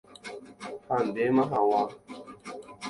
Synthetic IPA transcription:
hanbemaɦawa

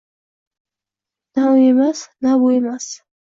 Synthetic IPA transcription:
nauemasnabuemas

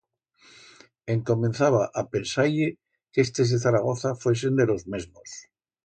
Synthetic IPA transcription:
eŋko̞mẽnθaβ̞aʔapensaje | kest̪ezðeθaɾaɣ̞oθafwe̞s̬end̪elo̞zme̞zmos

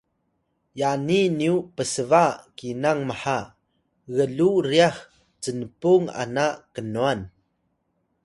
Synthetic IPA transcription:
janiniupəsəvakinaŋməħa | ɣəluɾiax | t͡sənpuŋa̰naʔkənuan

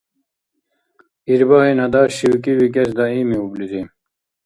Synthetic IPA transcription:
iɾbaɦinɐd̪aːɕɕiwikiwik̬es̬d̪aiːmiublizim

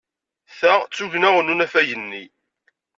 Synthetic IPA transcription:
θæʁt͡sːuʝnæʁənunæfæjənːi

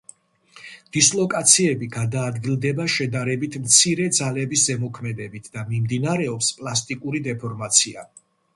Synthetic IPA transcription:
d̪̥islˠɔkʼat̪sʰiɛbiɡad̪aːd̪ɡilˠd̪ɛbaʃɛd̪aɾɛbit̪ʰmt̪sʰiɾɛd̪zalɛbiszɛmɔkʰmɛd̪ɛbit̪ʰd̪amimd̪inaɾɛɔpspʼlˠast̪ʼikʼuɾid̪ɛpʰɔɾmat̪sʰia

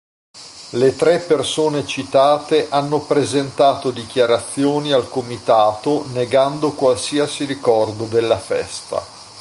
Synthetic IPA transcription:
let̪ɾɛpːersoːnet͡ʃit̪aːt̪eʔanːopɾezent̪aːt̪od̪ik̟jaɾat̪sːjoːnialkomit̪aːt̪oneɡand̪okwalsiasiɾikɔrd̪od̪elːafɛ̰st̪a̰

